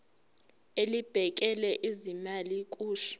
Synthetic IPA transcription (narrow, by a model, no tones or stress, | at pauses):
elib̥ʱɛk̬ʼɛlɛʔizimalik̬ʼuːʃu̥